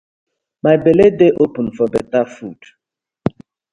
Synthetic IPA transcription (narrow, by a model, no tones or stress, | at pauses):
majbeledeʔopə̃nfɔbɛtafud̥